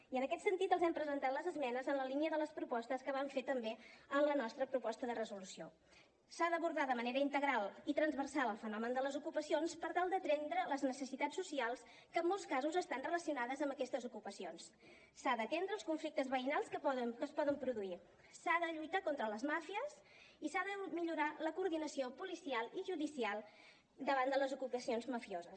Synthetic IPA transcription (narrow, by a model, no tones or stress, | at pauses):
iənəkɛt̪sənt̪it̪əlˠzɛmpɾəzənt̪at̪ləzəzmɛnəzənləliniəðələspɾupɔst̪əskəβ̞aɱfet̪əmbeənlənɔst̪ɾəpɾupɔst̪əðərəzulusio | saðəβuɾðaðəməneɾəint̪əɣɾalˠit̪ɾənzβərsalˠəlˠfənɔmənd̪ələzukupəsionspəɾt̪alˠd̪ət̪ɾend̪ɾələznəsəsit̪asːusialˠs | kəmːolˠskazuzəst̪anrələsiunaðəzəmbəkɛst̪əzukupəsions | saðət̪ɛnd̪ɾəlskuɱflik̚t̪əzβəinalˠskəkəspɔðəmpɾuðui | saðəʎujt̪akont̪ɾələzmafiəs | isaðəmiʎuɾaləkuɾðinəsiopulisialˠiʒuðisialˠ | d̪əβ̞and̪ələzukupəsionzməfiozəs